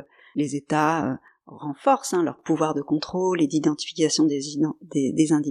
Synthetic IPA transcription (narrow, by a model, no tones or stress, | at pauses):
lezet̪aø̰ | ʁɑ̃fɔʁsɛ̃lœ̰ʁpuvwaʁd̪əkɔ̃t̪χoled̪id̪ɑ̃t̪i̥fi̥kʲasjɔ̃d̪ẽd̪ed̪ezɛ̃d̪i